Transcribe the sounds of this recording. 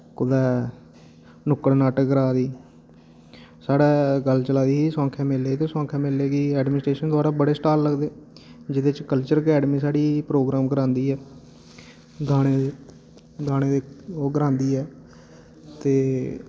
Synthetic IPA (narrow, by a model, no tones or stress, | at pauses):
kʊd̪ɛː | nʊkəɽnaːʈɡəɾaːd̪iː | saːɽaːɡəlt͡ʃəlaːd̪iːɦiːsɔ̃ːŋkʰɛ̃ːmɪleːt̪õːsõːkʰɛ̃ːmɪleːɡiːɛːɖmɪnsʈɾeːʃənd̪ʊaːɾaːbəɽeːsʈaːlːəɡd̪eːd͡ʒɪd̪eːt͡ʃkəlt͡ʃəɾkɛːɖmiːsaːɽiːpɾoːɡɾaːmkəɾãːnd̪iːɛː | ɡaːɽ̃eːe | ɡaːɽ̃eːd̪eːoːɡəɾãːnd̪iːɛː | t̪eː